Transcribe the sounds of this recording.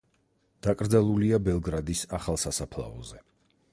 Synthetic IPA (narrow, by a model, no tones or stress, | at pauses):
d̪̥akʼɾd̪zalˠuliabɛlˠɡɾad̪isaχalˠsasapʰlˠa̰ɔzɛ